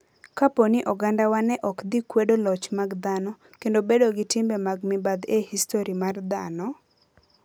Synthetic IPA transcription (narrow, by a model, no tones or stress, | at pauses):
kaponɪʔɔɡandawanɛʔɔkd̪ikwedolɔt͡ʃmaɡd̪anɔ | kendobedoɡɪtɪmbɛmaɡmɪbad̪ehistoɾimard̪a̰nɔ